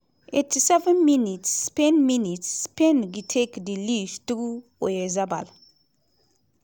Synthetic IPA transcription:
ʔetisɛvə̃nminitsːpɛ̃nminitspɛ̃nɡitʰekdilistuɔjɛzaba̰l

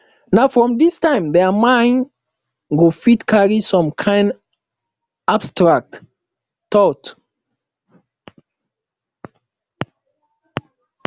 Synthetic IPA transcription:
naʊfɹɔ̃mdistãɪ̃mðɛmãɪ̃n | ɡofitkʰaɹisɔ̃mkʰãɪ̃nd | abstɹak̚t | tɔt

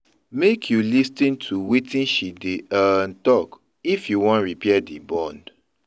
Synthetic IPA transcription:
mekʰjulistĩntʰuwetĩnʃideantɔk | ifjuwɔ̃nɹipɛadibɔ̃nd

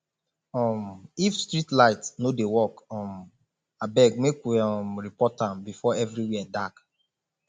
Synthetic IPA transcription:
ɔmifstɹitlaɪtnodewɔkɔ̃m | abɛɡ̚mekwiɔmɹipɔtãmbifɔɛvɹiwɛdak

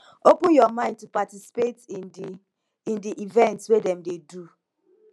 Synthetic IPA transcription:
opʊ̃njɔmãɪ̃nd̚tupatisi̥pet | ĩndiʔivɛ̃ntswedɛ̃mdedu

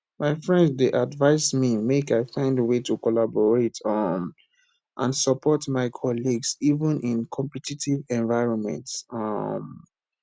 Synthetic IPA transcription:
maɪfɹɛ̃ndzdeʔadvaɪsmimekaɪfãɪ̃ndəwetʰukɔlabɔɹetʰʌm | ʔã̰nsəpʰɔtmaɪkʰɔliɡsivə̃nʔĩnkʰɔ̃mpɛtitʰivɛ̃nvaɪɹɔ̃nmɛ̰̃ntsʌm

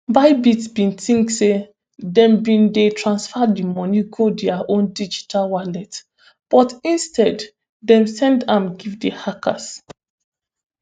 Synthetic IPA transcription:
baɪbitbĩntĩŋkse | dɛ̃mbĩndetʰɹãnsfadimɔ̃niɡodɛaʔõndid͡ʒi̥tʰalwalɛt | b̥ɔtĩnstɛd | dɛ̃msɛ̃ndãmɡivdehaka̰s

